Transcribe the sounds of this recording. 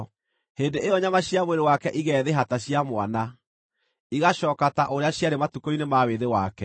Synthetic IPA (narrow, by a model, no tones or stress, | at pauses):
hendeejɔɲamaɕijamweɾewakɛʔiɣɛːðeɦataɕiamwana | iɣaɕɔkataʔoɾeaɕjaɾematukoinemaweðewakɛ